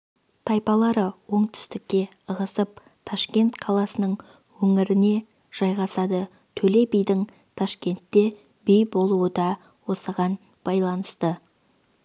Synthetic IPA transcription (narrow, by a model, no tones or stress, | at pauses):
t̪ʰɑjpɑlˠɑɾəwo̞ɴt̪ʰʏ̥st̪ɪkʲːe̞əʁəsəp̚ | t̪ʰɑʃkʲe̞nt̪qʰɑlˠɑsənəɴ | wɵŋɪɾɪne̞ | ʒ̥ɑjʁɑsɑd̪ə | t̪ʰɵle̞bijd̪ɪŋ | t̪ʰɑʃkʲe̞nt̪ːe̞ | bijbo̞lˠuəd̪ɑ | wo̞səʁɑn | b̥ɑjlˠɑnəst̪ə